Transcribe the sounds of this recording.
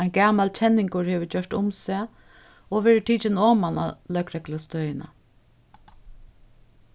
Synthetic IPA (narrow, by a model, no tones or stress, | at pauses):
ajnɡaːmalt͡ɕʰɛnːɪŋkʊɹheːʋət͡ɕœʂt̪ʊmsɛː | ɔʋɛːɾɪʈʰiːt͡ʃɪnɔːmana̰lœkɾɛklast̪œːjɪna̰